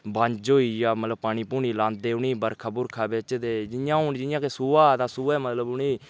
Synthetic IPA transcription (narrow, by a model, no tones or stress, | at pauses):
bə̃ɲd͡ʒɦoːiːjaːmət̪ləb̚paːɳ̃iːpuːɳiːlãːnd̪̚d̪eːʊniːbəɾkʰaːbʊɾkʰaːbɪt͡ʃd̪eːd͡ʒɪjãːoːnd͡ʒɪjãːkesuːaːt̪ãːsuːɛːmət̪ləbʊniː